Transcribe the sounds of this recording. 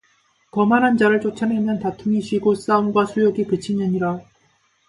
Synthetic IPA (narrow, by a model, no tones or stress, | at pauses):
kʌmanɦand͡ʑaɾɯɭt͡ɕ͈ot͡ɕʰʌnemjʌntatʰuŋiɕɥiɡos͈aunɡwasʰujoɡikɯt͡ɕʰinɯɲiɾa